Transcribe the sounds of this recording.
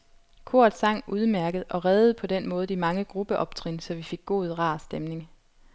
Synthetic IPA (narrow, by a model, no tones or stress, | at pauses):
kʰo̝ɐ̰d̥ˠsɑ̈ŋ̰uð̞ˠmæɐɡ̥əð̩ˠɒ̽ʁɛːðˠð̞̩ˠpʰɒ̽d̥en̰mɔ̽ːð̞̩ˠimɑ̈ŋəɡ̥ʁub̥əʔɒ̽b̥t͡sʰʁinsɒ̽ʋife̝ɡ̥ːo̝̰ːð̞ˠʁɑ̰̈sd̥emne̝ŋ